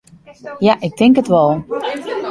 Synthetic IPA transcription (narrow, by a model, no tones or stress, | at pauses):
jaʔɪk̚tɪŋkətʋɔlˠ